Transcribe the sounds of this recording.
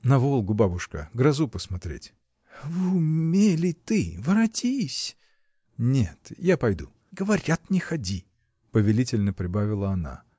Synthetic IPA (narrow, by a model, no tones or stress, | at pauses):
nɐvolˠɡʊbabʊʂkəɡɾɐzupəsmɐt̪ɾʲḛtʲ | vɨʊmʲelʲɪt̪ɨvəɾɐtʲisʲ | nʲet̪japɐjd̪u | ɡəvɐɾʲat̪nʲɪxɐdʲi | pəvʲɪlʲitʲɪlʲnəpɾʲɪbavʲɪlˠəɐna̰